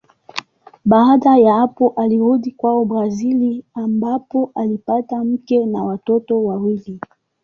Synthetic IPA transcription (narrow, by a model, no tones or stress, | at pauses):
ɓaːɗajahapɔʔaliɾuɗikwaɔbɾaziliambapɔʔalipatam̩kɛnawatɔtɔwawili